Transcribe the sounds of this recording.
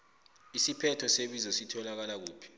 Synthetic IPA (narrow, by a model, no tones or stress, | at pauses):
isipʰɛtʰɔseɓizɔsitʰɔlak̬alak̬uːpʰi̥